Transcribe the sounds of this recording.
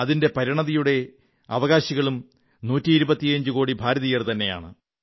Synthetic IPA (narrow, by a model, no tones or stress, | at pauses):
ɐðinde̞pɐɾiɳɐðijuɽe̞ | ɐ̰ʋɐɣaːɕiɣɐɭum | nuːtːiːɾubɐt̪ːiɐɲd͡ʑɨko̞ːɽibʱaːɾɐðijɐrt̪ɐnːe̞ja̰ːɳɨ̰